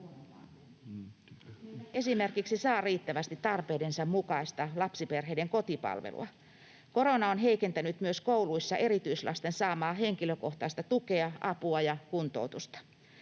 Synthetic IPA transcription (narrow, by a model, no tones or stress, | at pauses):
e̞simerkiksisɑːriːt̪ːæʋæst̪it̪t̪ɑrpeːdensɑmmukɑist̪ɑlɑpsiperɦeijdeŋko̞t̪ipɑ̰lʋḛlʔṵɑ̰ | ko̞ɾo̞nɑonɦe̞ikent̪ænyt̪myøskouluisːɑʔe̞ɾit̪yislɑ̰st̪e̞nsɑːmɑːɦe̞ŋkiløko̞ht̪ɑist̪ɑt̪uke̞ɑʔɑpuɑjɑkunt̪o̞̰wt̪ust̪ɑ̥